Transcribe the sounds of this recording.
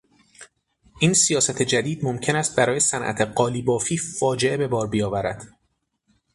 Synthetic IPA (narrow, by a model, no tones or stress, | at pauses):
ʔiːnsijɒːsæt̪ʰe̞d͡ʒæd̪iːd̪mo̞mcʰe̞næst̪̚bæɾɒːje̞sænʔæ̰t̪ʰeɢɒːliːbɒːfiːfɒːd͡ʒe̞ʔe̞be̞bɒːɾbijɒːvæɾæd̪̥